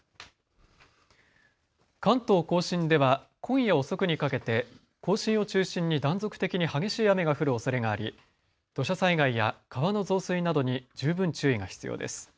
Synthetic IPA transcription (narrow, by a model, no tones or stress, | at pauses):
kãnt̪o̞ːko̞ːɕĩnd̪e̞βa | kʰõ̞ɰ̃jao̞so̞kɯ̟ɲ̟ikake̞t̪e̞ | ko̞ːɕĩɰ̃o̞t͡ɕɨːɕĩɲ̟ːid̪ãnzo̞kɯ̥t̪e̞kʲiɲ̟ihaɡe̞ɕiːame̞ɡaɸɯ̟ɾɯ̟osaɾe̞ɡaːɾʲi | d̪̥o̞ɕasaiɡaijakaβano̞zo̞ːsɨinad̪o̞ɲ̟id͡ʑɨːbɯ̃ɲt͡ɕɨːiɡaçi̥t͡sɨjo̞̰ːd̪e̞̰sɨ̥